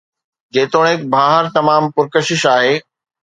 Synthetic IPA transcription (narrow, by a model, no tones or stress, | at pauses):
d͡ʑeːt̪oːɽ̃ɪkbʱaːɦəɾt̪ɐmaːmpʊɾkəʃɪʃaːɦeː